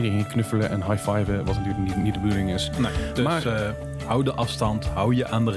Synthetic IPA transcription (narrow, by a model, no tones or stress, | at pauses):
idəɹenknɵfələʔɛnɦajfajvəʋɑtnətyːɹlɪkninit̚dəbədulɪŋɪsnedəmaː | hʌwdəʔɑfstɑntɦʌwjəʔaːndər